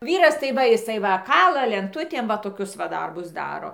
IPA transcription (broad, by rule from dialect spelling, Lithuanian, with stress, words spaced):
ˈʋʲiːrɐs tɐɪ ˈʋɐ jɪˈsɐɪ ˈʋɐ ˈkɑːlˠɐ lʲɛnˈtʊtʲeːm ʋɐ toːˈkʲʊs ʋɐ ˈdɐrbʊs ˈdɑːroː